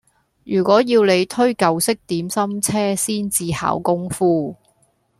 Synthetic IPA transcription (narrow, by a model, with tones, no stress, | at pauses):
jyː˨˩kʷɔː˨˥jiː˧wle˨˧jt̪ʰɵ˥ɥkɐ˨wsɪ˥k̚t̪iː˨˥msɐ˥mt͡sʰɛː˥siː˥nt͡siː˧ha̰ː˨˥wkʊ˥ŋfuː˥